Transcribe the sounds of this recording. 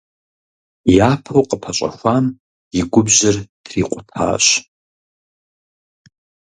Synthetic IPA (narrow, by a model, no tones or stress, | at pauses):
japʰowqʼəpʰaɕʷʼa̰xʷam | iɡʷʊbʑɐrd̥riqʷʼʊtʰa̰ːɕʷ